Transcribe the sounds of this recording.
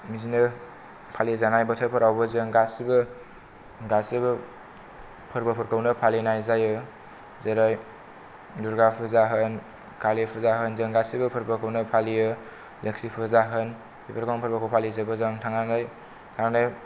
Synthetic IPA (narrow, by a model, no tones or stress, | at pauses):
mizinɯ | pʰalizanajbɐtʰəpʰɐɾawbɐzɯŋɡasibɯ | ɡasibɯ | pʰɯɾbɐpʰɯɾkʰəwnɯpʰalinajzajɯ | zeɾaj | duɾɡapʰɯzaɦɯn | kʰalipʰɯzaɦɯnzəŋɡasibɯpʰɯɾpʰɯkʰəwnɯpʰalijɯ | leksipʰɯzaɦɯn | bipʰəɾkoŋpʰəɾbakʰowpʰalizabɯzaŋtʰaŋanaj | tʰaŋanaj